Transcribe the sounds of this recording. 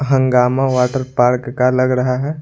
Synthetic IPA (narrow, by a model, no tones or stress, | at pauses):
ɦɐ̃ŋɡaːmãʋaːʈəɾpaːɾkːalɐɡɾɐɦaɦɛː